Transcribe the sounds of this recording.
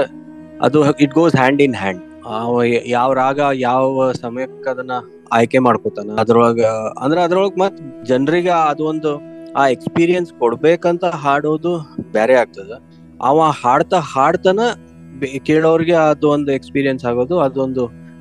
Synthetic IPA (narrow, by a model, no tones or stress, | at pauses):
ɐ̰d̪uiʈ̚ɡoːzɦaːɳɖinɦæːɳɖ | aːʋɐjaːʋɾaːɡɐjaːʋɐsɐmɐjɐkɐkːɐɐd̪ɐnːɐ | aːjke̞maːɽkoːt̪aːnɐɐd̪ɾɔɭɡɐɐ̰nd̪ɐɾeɐd̪ɾɔɭɐɡɐmat̪ːɐd͡ʒɐnɾiɡeɐd̪uʋond̪uaːe̞kspiːɾijɐnskɔɽbeːkɐnt̪ɐɦaːɽoːd̪ubaːɾeaːɡ̚t̪ɐd̪e | a̰ːʋɐ̃aːhaːɽt̪ɐhaːɽt̪ɐnɐ | bkeːɭɐʋɐɾiɡed̪uʋond̪uekspiːɾijɐnsaːɡoːd̪uɐd̪uond̪u